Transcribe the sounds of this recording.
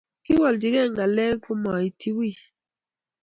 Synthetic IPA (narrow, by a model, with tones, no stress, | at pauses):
ki˦wɔ˨ldi˨ɡɛ˦˨ŋɡa˨lɛ˦ku˦mɔ˨i˨ti˦wi˦˨